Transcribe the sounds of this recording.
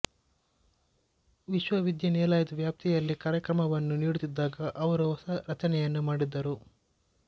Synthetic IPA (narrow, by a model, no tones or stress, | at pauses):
ʋiʃʋɐʋid̪jɐneːlaːjɐd̪ʋjaːp̚t̪ijɐlːikaːɾjɐkɾɐmɐʋɐnːuniːɽut̪id̪ːaːɡɐʔɐʋɐɾuɔsɐɾɐt͡ʃɐnɛjɐnːumaːɽid̪ːɐɾu